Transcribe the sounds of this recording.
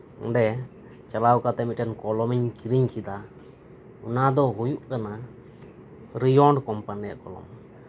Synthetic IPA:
ɔ̰ɖɛ | t͡ʃalawkat̪ɛmiʈɛnkɔlɔmiɲkiɾiɲkʰid̪a | unad̪ɔɦujuʔkana | ɾijɔɳɖkɔmpanija̰ʔkɔlɔ̰m

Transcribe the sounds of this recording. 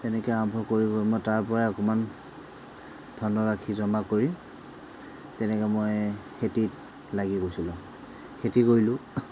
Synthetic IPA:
tɛnɛkɛambʱɔkoɹiɡojmojtaɹpɔɹaɔkɔman | dʱɔnɔɹakʰizɔmakoɹi | tɛnɛkɛmojxʰetit̚ | laɡiɡojsilʊ̃ | xʰetikoɹilʊ̃

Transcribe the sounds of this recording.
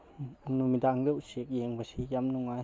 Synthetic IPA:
numid̪aŋɡewʃikjeŋbaʃijamnũŋʷa

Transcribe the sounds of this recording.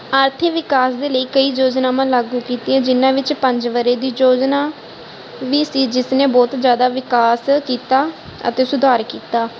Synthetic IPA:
əɾt̪ʰeʋɪkaːsd̪eːləiːkəiːd͡ʒoːd͡ʒnãːmãːlaːɡuːkiːt̪iɛ̃ːd͡ʒɪnãːʋɪt͡ʃpəɲd͡ʒʋəɾeːd̪iːd͡ʒoːd͡ʒnaː | ʋiːsiːd͡ʒɪsnẽːbɔːt̪d͡ʒjaːd̪aːʋɪkaːskiːt̪aː | ə̰t̪eːsʊd̪ʱaːɾkiːt̪aː

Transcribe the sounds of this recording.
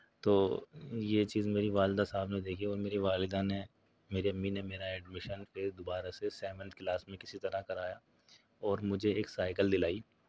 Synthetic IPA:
t̪oːjet͡ʃiːzmeːɾiʋaːld̪asaːbnẽd̪eːkʰiɔːɾmeːɾiʋaːlɪd̪ane | meːɾiɐmːinemeːɾaɛːɖmɪʃənfɪɾd̪ʊbaːɾasesɛːʋə̃nt̪̚ʰklaːsmẽkɪsit̪ɐɾakɐɾaːja | ɔːɾmʊd͡ʒʱeeːksaːɪkəld̪ɪlaːiː

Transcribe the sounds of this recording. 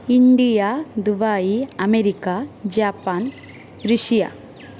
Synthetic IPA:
iɳɖijaːd̪ubaːjiɐmeɾikad͡ʒaːpaːn | ɾuʃija̰ː

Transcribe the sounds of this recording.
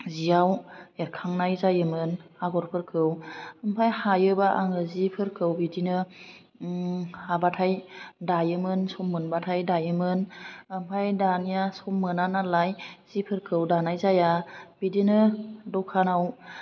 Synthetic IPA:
zijaweɾkʰaŋnajzajɯmɯnaɡɔɾpʰɯɾkʰɯwɯmpʰajhajɯbaʔaŋɯzipʰɯɾkʰɯwbidinɯ | abatʰajdajɯmɯnsɔmːɯnbatʰajdajɯmɯnɯmpʰajdanijasɔmːɯnanalajz̥ipʰɯɾkʰɯwdanajzajab̥idinɯdɔwkʰanaw

